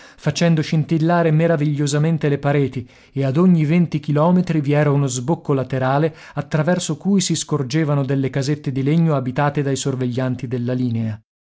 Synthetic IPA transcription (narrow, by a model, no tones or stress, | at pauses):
fat͡ʃɛnd̪oʃint̪ilːaːɾemeɾaviʎːozament̪elepaɾɛːt̪i | ead̪oɲːivent̪ik̟ilɔːmet̪ɾiviɛːɾaunozbokːolat̪eɾaːle | at̪ːɾavɛrsokuːjsiskord͡ʒeːvanod̪elːekazet̪ːed̪ileɲːoabit̪aːt̪ed̪ajsorveʎːant̪id̪elːaliːnea